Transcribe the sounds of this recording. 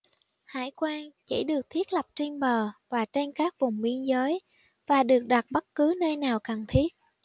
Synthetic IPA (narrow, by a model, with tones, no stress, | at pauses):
ha̰ː˧˩jkwaː˧nt͡ɕḭ˧˩ɗɨ˨˩ək̚t̪ʰi˦˥ət̚lə˨˩p̚t͡ɕi˧nɓəː˨˩vaː˨˩t͡ɕe˧nkaː˦˥k̚vʊ˨˩ŋ͡mɓi˧ənzəː˨˦j | vaː˨˩ɗɨ˨˩ək̚ɗa˨˩t̚ɓə˦˥t̚kɨ˨˦nəː˧jnaː˨˩wkə˨˩ŋt̪ʰi˦˥ət̚